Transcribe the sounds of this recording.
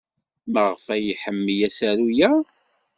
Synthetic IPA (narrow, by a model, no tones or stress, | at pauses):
məʁfæjiħəmːijæsæɾujæ